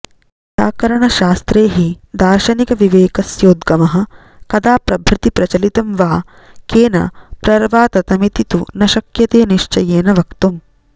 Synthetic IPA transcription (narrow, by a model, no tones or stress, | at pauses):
saːkɐɾɐɳɐʃaːst̪ɾeːɦid̪aːɾʃɐnikɐʋiʋeːkɐsjoːd̪ɡɐmɐɦɐ̆ | kɐd̪aːpɾɐbʱɾɪt̪ipɾɐt͡ʃɐlit̪ɐmʋaː | keːnɐ̰pɾɐɾʋaːt̪ɐt̪ɐmit̪it̪unɐʃɐkjɐt̪eːniʂt͡ʃɐjeːnɐʋɐkt̪um